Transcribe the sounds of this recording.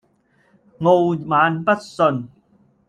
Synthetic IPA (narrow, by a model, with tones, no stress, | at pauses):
ŋo˧wmaː˨˧npɐ˥t̚sɵ˧n